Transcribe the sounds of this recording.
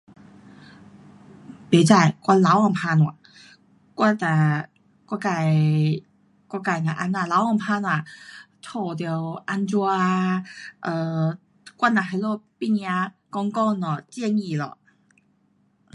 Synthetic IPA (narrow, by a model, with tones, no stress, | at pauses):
pe˨˩t͡sa˧˩jkwa˥˧la˧˦wɔ˧˩ŋpʰa˧nwɔ˨˧˩ | kwa˥˧t̪a˧˩ | kwka˧˩j | kwɔ˥˧˩ka˧˩jna˧˩ʔa˧˥na˧˩la˧˥wɔ˧˩ŋpʰa˧n˧a˨˩t̪ʰo˨˩t̪̬i˧˨wʔa˧nt͡su˧a˧ʔə˧˩ | kwa˥˨na˨˩ha˧˩lɔ˥˧pi˥˩ni˧a˧ | kɔ˧ŋkɔ˥˧nɔ˨˧˩t͡ɕjɛ˥˧ŋi˧˩lɔ̰˧˨